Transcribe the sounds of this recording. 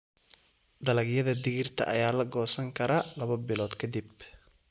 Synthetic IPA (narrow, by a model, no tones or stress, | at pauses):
d̪ɐlɐɡjɐðɐd̪ɪɣɪrt̪ʰɐ̰ʔɐ̰jaːlɐɡɔːsɐŋkʰɐɾaːlɐβɐbɪlɔːd̪kʰɐd̪ɪb